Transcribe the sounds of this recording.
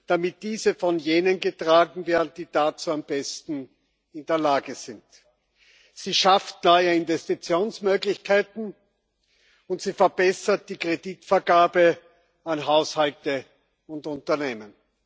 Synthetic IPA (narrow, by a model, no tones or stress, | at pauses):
d̥amɪt̚d̥iːzəfɔnjeːnənɡətʁ̥aːɡŋ̩veːɐdn̩diːd̥at͡suːamb̥ɛstn̩ | ɪndeːɐlaːɡəz̥ɪnt | z̥iːʃaftnɔʏəɪnvɛstit͡sjoːnsmøːɡlɪçkʰaɪtn̩ | ʊntz̥iːfɛɐb̥ɛsɐt̚d̥iːkʁ̥ediːtfɛɐɡaːbə | anɦaʊshaltə | ʊntʊntɐneːmən